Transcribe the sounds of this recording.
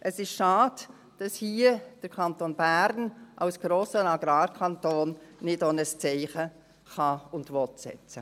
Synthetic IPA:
ʔəsɪʃʃɑːd | d̥ɑshiːəd̥əɾkʰɑntoːnbæɾnʔaʊsɡ̥ɾoːsənɑɡɾɑːɾkʰɑntoːnnɪdonəst͡sɛɪχə | χɑʊndʋɔtsɛ̰t͡sə

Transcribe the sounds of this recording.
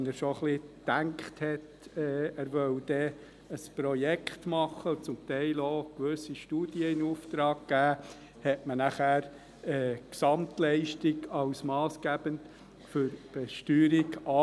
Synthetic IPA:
nəɾʃoχlit̪æŋkχthɛt | ɛːæɾʋœwd̪̥ɛ | əspɾɔjɛkχt̪mɑχːəʊt͡sʊmt̪ɛɪloːkʋøsiʃtuːd̥iəɪnuft̪ɾɑːkɡ̥æː | hɛtmənæχæːɾ | ɛːksɑmtlɛɪʃtiɡɑʊsmɑːsɡ̥æb̥ənt | fʏɾb̥ɛʃtyːɾiɡɑ

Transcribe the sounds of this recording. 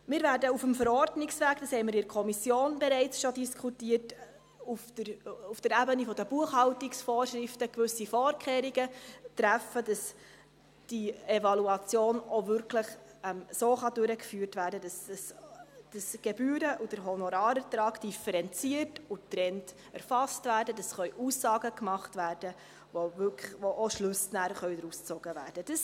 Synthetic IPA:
mɪːɾvæːɾdəufəmfəɾɔrdnɪksʋæːkd̥ɑshɛɪməɾɪdɾkʰɔmisjoːnbɛɾɛɪt͡sʃɔdiskʰutiːət | ufəufd̥əɾæbənifɔdəb̥uəχhɑwtiksfɔːɾʃɾɪftəkvɵsifɔːɾkʰχeːɾiɡətɾæfədɑs | d̥ievɑluɑt͡sjoːnovʏɾkʰləχɛmsoːχɑdʉɾəkfyːɾtvæːɾdədɑsəsd̥əsɡ̥ebyːɾəʔud̥əɾɦɔnɔɾɑːɾətɾɑːɡd̥ifəɾɛnt͡siərtutɾɛnt | æɾfɑstvæːɾdədɑsχœʏʔusːɑːɡəkmɑχtvæːrd̥ə | ʋovʏkʋoʔoʃlʉsnæɾχœʏdɾust͡soɡ̥əvæ̰ːɾd̥əd̥əs

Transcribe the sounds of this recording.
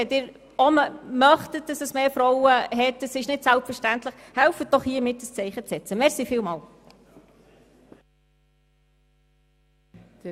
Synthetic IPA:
ɛtɪːɾ | ɔmmœχtət̚d̥ɑsəsmeːfɾɔwəɦɛtdəsɪʃnɪtsælpfəʃtæntləχhɛlfət̚d̥ɔχhiəmɪt̚dəst͡sɛɪχət͡sɛt͡səmɛɾsifɪːlmɑːl

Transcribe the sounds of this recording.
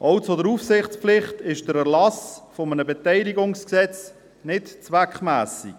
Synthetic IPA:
ʔɑʊsodəɾufsɪχt͡spflɪχtɪʃd̥əɾɛɾlɑsfomənəbɛtɛɪliɡʊŋsksɛt͡s | nɪtt͡sʋækχmæːsḭk

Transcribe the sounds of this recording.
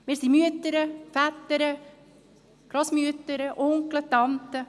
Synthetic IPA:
mɪːɾsimyət̪əɾəfæt̪ːəɾə | ɡ̥ɾɔsmyət̪əɾəʔʊŋklət̪ɑnt̪ə

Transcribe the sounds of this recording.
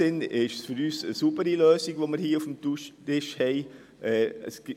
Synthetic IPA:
ɪnɪʃfʏɾyːsəsubəɾiløːsiɡʋoːməɾhiːəufm̩tuʃtɪʃhɛɪ | ʔɛːəs

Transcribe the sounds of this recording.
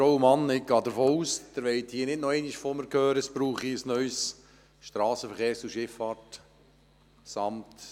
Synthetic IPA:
fɾowəmɑnɪk̚ɡ̥ɑːd̪əɾfoːuːsd̥̪əɾʋɛɪt̪hiːnɪdnɔɛɪniʃfoməɾkʰøːɾəsb̥ɾuːχiəsnœʏs | ʃtɾɑːsəfəɾχeːɾst͡suʃɪfːɑːɾt | sɑmt

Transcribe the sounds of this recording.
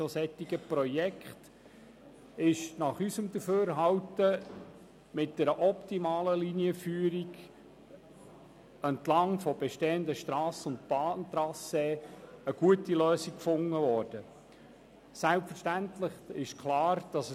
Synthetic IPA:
sosɛt̪ːiɡəprɔjɛkχt | ɪʃnɑχysəmd̪əføːɾɦɑwtə | mɪt̚d̥ɛɾəʔɔptimɑːləliniəfyːɾiɡ | ɛntlɑŋfɔbɛʃteːəndəʃtɾɑːsʊntb̥ɑːnt̪ɾɑseːəɡ̥uətiløːsikkfʊŋːəvɔːɾd̥ə | sælpfəʃtæntləχɪʃkχlɑːɾd̥ɑs

